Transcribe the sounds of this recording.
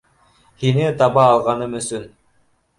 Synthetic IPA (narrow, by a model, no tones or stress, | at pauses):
hinɘt̪ɑβɑːlˠʁɑnɤmɵ̆sɵn